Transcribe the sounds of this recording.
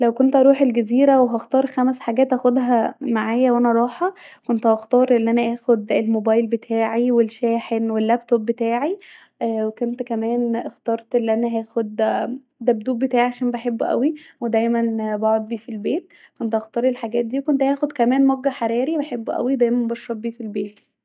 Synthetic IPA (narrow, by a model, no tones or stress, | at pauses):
læwkont̪ʔɑɾˤuːħelɡæziːɾæweɦɑxt̪ɑːɾˤxæmsħaɡæːt̪ʔæxod̪ɦæmaʕaːjæwʔænæɑɾˤɑːħɑkont̪hɑxt̪ɑːɾˤʔenːʔænæʔæːxod̪elmobɑːjlbet̪ʰaːʕiwelʃæːħenwelːæbt̪obːet̪aːʕi | wekont̪kæmæːnʔxt̪ɑːɾˤt̪ʔelːʔænæɦæːxod̪ | d̪æbd̪uːb̚bet̪aːʕiʕaʃæːnbeħebːʔæ̰wiwed̪æjmænbɑʕod̪̚biːfilbeːt̪̚ | kont̪ʔɑxt̪ɑːɾˤelħaɡæːt̪̚d̪iːwkont̪ʔæːxod̪kæmæːnmɑɡːæħaɾˤɑːɾibeħebːʔæ̰wid̪æjmænbɑʃɾˤɑbbːiːfilbeːt̪